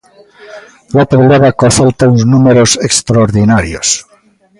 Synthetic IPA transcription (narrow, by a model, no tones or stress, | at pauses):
lapolʎaðakoθalt̪aunznumeɾosekst̪ɾaoɾðinaɾjos